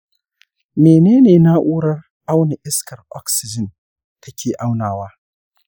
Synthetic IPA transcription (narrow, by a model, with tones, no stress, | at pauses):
meː˨neː˦neː˨na˦ʔuː˦ɽɐ˦r | ʔa˦wne˨ʔɪ˦skɐ˨rʔɔ̰˦ksɪ˨d͡ʒɪ˨n | tʰɐ˦kʲʰeː˨ʔa˦wnaː˨waː˦